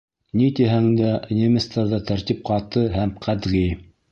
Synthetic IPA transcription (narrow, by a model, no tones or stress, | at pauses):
nit̪iɦæŋd̪æʔnʲemʲist̪ɑɾðɑt̪æɾt̪ip̚qɑt̪ɤɦæmqʰæd̪ʁij